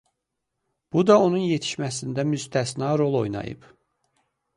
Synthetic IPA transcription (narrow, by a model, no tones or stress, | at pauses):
b̥ud̪ɑo̞nunje̞t̪ʰi̥ʃmæsind̪æmyst̪ʰæsnɑːɾo̞lˠo̞̰jnɑ̰jɯ̰p